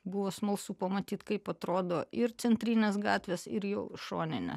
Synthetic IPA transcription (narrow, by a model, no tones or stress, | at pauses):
bʊʋoːsmɐlˠsuːpɐmɐt̪ʲiːt̪kɐɪpɐt̪ɾoːd̪oːɪɾt̪sʲɛnʲt̪ʲɾʲinʲeːsɡɑːt̪ʲʋʲeːsɪ̰ɾjoʊʃo̰ːnʲɪnʲḛ